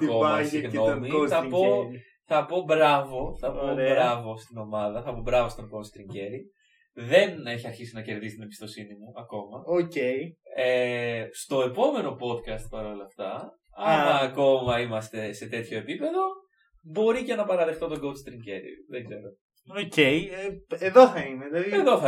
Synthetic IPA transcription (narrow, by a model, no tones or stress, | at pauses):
koɣno̞miθɐpo̞ | θɐpo̞bɾɐvo̞θɐponbɾɐvo̞st̪ino̞mɐðɐθɐpo̞bɾɐvo̞st̪o̞ŋɡo̞lst̪ɾiɲɟe̞ɾi | ðe̞ne̞çiɐɾçisinɐce̞ɾðisi̥t̪ine̞bist̪o̞sinimuɐko̞mɐoceiest̪o̞e̞po̞me̞no̞po̞t̪kɐst̪̚pɐɾo̞lɐft̪ɐ | ɐnɐko̞mɐimɐst̪e̞se̞t̪e̞t̪ço̞e̞pipe̞ðo̞ | bo̞ɾice̞nɐpɐɾɐðext̪o̞t̪̬oɡolst̪ɾiɲɟe̞ɾḭðeɡze̞ɾo̞ | oceieðoθɐimed̪ɐieðo̞ɐ